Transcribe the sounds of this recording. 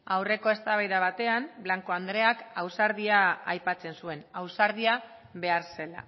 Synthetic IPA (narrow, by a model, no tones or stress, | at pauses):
awre̞ko̞e̞st̪aβajðaβ̞at̪e̞amblaŋko̞and̪ɾe̞akawsaɾðiaajpat͡se̞nsue̞nawsaɾðia | βe̞aɾse̞la̰